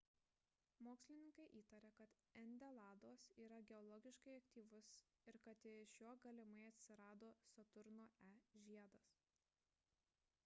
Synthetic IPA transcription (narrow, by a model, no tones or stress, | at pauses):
moːksʲlʲɪnʲɪŋkɐɪʔiːt̪ɐɾʲɛkɐt̪ | ɛnʲd̪ʲɛlˠɑːd̪oːsiːɾɐɡʲɛɔlˠɔːɡʲɪʃkɐɪɐkt̪ʲiːʋʊs | ɪɾkɐt̪ɪʃjuɔɡɐlʲɪmɐɪɐt̪ʲsʲɪɾɑːd̪oːsɐt̪ʊɾnoːʔæʒʲiɛd̪ɐs